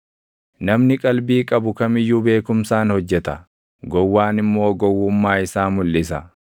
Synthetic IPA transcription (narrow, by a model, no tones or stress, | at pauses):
nɐmnɪkʼɐlbiːkʼɐbʊkɐmɪjːuːbe̞ːkʊmsaːnhɔd͡ʒːɛt̪ɐ | ɡɔwːaːnɪmːo̞ːɡɔwːʊmːaːɪsaːmʊlːɪsɐ